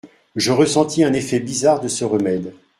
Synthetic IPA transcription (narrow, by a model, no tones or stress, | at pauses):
ʒəʁəsɑ̃t̪ʰiɛ̃nefɛbizaʁd̪əsəʁəmɛd̪